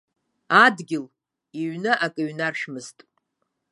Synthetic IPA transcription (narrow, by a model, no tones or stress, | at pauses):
adɡʲɪl | iɥnɨʔakʼɨɥnarʃᶣmɨztʼ